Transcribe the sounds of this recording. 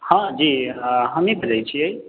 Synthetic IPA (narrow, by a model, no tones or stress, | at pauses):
hãd͡ʒiɦəmibəd͡ʒajt͡ʃʰiəj